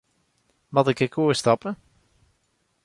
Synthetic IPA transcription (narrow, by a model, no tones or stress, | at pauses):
mɑtɪkəkʰuːəstɑpə